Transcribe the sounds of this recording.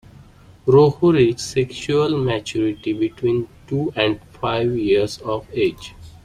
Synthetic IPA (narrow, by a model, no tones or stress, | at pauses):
ɾoːhuɾid͡ʒsekʃuəlmæt͡ʃuɾɪʈibɪʈwĩːnʈuːɛ̃ɳɖfaɪʋjiəɾzɔːʋeːd͡ʒ